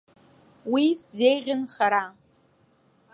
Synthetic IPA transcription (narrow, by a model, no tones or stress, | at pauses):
wiszejʁʲɪnχaɾa